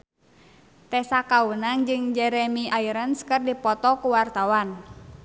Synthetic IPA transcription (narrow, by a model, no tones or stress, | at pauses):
t̪ɛsakawənaŋd͡ʒɨŋd͡ʒɛɾɛmiaiɾənskɨrdipɔt̪ɔkuwart̪awan